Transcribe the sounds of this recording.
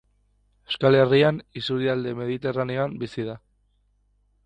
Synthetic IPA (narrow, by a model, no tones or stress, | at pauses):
eskale̞rianisuɾiald̪e̞me̞ðit̪e̞raneoambisiða